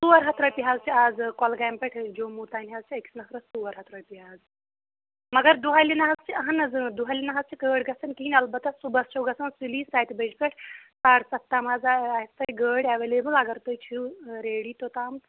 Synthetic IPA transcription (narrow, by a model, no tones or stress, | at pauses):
suːʋɐɾɦɐt̪ɾɐpiɦaːzt͡ʃʰiaːd͡zkɔlɡaːmpʲeʈʰd͡ʒoːmuːt̪aːnɦazt͡ʃʰiɐksnɐkɾɐstuʋɐɾɦɐt̪ɾɐɽpiɦaːz | mɐɡɐɾd̪uɦalinɐɦɐzt͡ʃʰiɐɦɐnɐd͡zɨd̪uɦalʲinɐɦɐzt͡ʃʰikəːɽɡɐsɐnkiinʲɐlbɐt̪ɐssubɐst͡ʃʰowɡɐsɐnsiliːsaːt̪ibɐd͡ʒpʲeʈʰsaːɽsɐt̪ːaːmaːzaaist̪ɐjiɡəːɽʲaʋeleːbɨlɐɡɐɾt̪əjt͡ʃʰiwɾeːɽiːt̪ot̪aːm